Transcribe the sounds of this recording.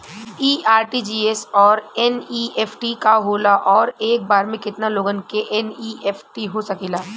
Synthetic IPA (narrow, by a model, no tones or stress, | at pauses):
iːaːɾʈid͡ʒiːesɔːɾɛniːeːpʰʈikaɦoːlaʔɔːɾeːk̚baːɾmẽkɪt̪naloːɡənkeʔɛniːʔeːpʰʈiɦosɐkiːlaː